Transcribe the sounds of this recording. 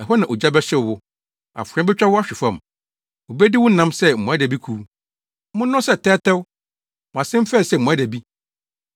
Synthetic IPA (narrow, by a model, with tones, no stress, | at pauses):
ɛ˨ɦɔ˦nã˨ʔo˨d͡ʑa˦bɛ˦ɕɪ˦˨wʊ˦ | a̰˨fʊ˨ɾɛ̃˦bɪ˦t͡ɕᶣa˦wʊ˦a˦ɕᶣɪ˨fã˨m | o˨bɛ˦dɪ˦wʊ̃˦nã˦msɛ˦m̩˨mɔ̃˨a˦dɛ˨bi˦kʰu˦ | mʊ̃˦nʊ̃˦sɛ˦˨tʰɛ˦tʰɛ˦wʊ˦ | mɔ̃˨a˨sɪ̃˦m˦fɛ˦˨sɛ˦˨mɔ̃˨a˦dæ˨bi˦